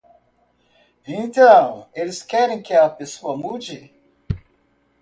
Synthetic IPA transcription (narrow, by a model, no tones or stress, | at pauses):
ĩnt̪ɐ̃w̃elskɛɾĩŋkeapesuɐmud͡ʒi